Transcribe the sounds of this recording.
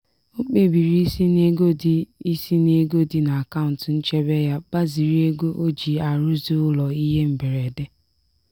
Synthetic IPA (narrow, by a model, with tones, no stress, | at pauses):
o˦k͡pe˦bi˨ɾi˦si˦ne˦ɡo˦di˦i˦si˦ne˦ɡo˦dɪ˦na˨a˨ka˦ʊ̃˨n˨tn̩˦t͡ʃe˦be˦ja˦ba˦zi˨ɾi˦e˦ɡo˦ʔo˦d͡ʒi˨a˨ɾʊ˦zi˦ʊ˦lɔ˨i˦ɦe˦m̩˨be˨ɾe˨de˦